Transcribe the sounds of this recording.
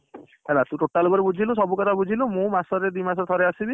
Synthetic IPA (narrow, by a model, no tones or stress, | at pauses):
ɦɛlat̪uʈoʈalbɔɾebud͡ʒʱilos̬ɔbukɔt̪ʰabud͡ʒʱilomũmasɔɾed̪imas̬ɔɾt̪ʰɔɾeasibi